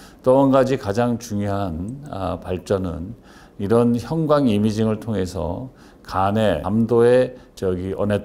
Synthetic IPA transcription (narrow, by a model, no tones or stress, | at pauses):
t͈oːnɡad͡ʑikad͡ʑaŋt͡ɕuŋjoɦan̰paɭt͡ɕ͈ʌnɯ̰n | iɾʌnçjʌŋɡwaŋimid͡ʑiŋɯɭtʰoŋɦe̞sʰʌ̰ | kaneamdoe | t͡ɕʌɡiʌ̰ne